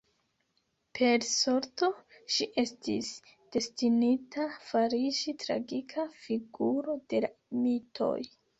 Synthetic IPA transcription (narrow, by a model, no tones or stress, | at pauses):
pʰe̞ɾsoɾto̞ | ʃiʔe̞stis | d̥e̞stinitʰafaɾiʃitɾa̰ɡikʰafiɡuɾo̞d̥e̞lamitʰo̞̰j